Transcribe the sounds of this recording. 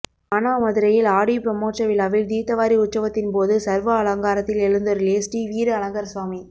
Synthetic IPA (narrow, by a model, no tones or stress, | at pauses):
ɐnaːmɐðɯɾɐjɪlaːɽipɾɐmoːt͡ʃɐʋɪlaːʋɪld̪iːt̪ːɐʋaːɾiʊt̪sɐʋɐt̪ːɪnpoːðɯsɐɾʋɐːlɐŋɡaːɾɐt̪ːɪlɛɻɯnd̪ɯɾleːsʈiʋiːɾɯɐlɐŋɡɐɾsʋaːmi